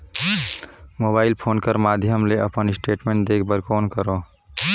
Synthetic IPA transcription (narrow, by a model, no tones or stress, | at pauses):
moːbaːɪlpʰoːnkəɾmaːd̪ʱjəmleɐpənɪsʈeːʈmẽːɳʈd̪eːkʰbəɾkoːnkəɾoː